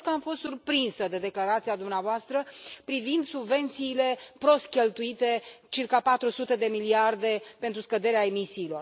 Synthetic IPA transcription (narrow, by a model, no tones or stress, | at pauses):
t̪əamfo̞st̪surpɾinsəd̪e̞d̪e̞klaɾat̪siad̪umneavoast̪ɾəpɾivind̪subve̞nt̪siːle̞pɾo̞st̪̚kʲe̞lt̪uit̪e̞t͡ʃirkapat̪ɾusut̪e̞d̪e̞miliard̪e̞pe̞nt̪ɾuskəd̪eɾeae̞misiːlo̞r